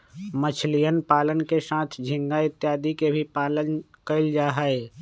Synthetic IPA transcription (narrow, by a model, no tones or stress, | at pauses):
mət͡ʃʰlijənpaːlənkeʃãːt̪ʰd͡ʒʱɪ̃ŋɡaɪt̪ːjaːd̪ikebʱipaːlənkəɪld͡ʒaːɦaeː